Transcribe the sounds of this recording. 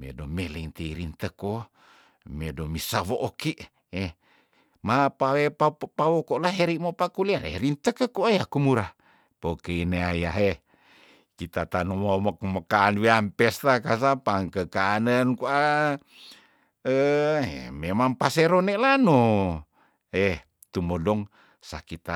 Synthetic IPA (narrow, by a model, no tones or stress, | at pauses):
mḛdomeliŋt̪iɾint̪əko | medomisaβoʔːkiʔ | e | mapawepapawokoʔlaɦeɾiʔmopakulianḛɾint̪əkəkuajakumuɾa | pokeineajaɦe | kit̪at̪anumauməkməkaːnwiampest̪akasapaŋkəkaːnənkua | əḛmemaŋpaseɾonelanu | e | t̪umodɔŋ | sakit̪a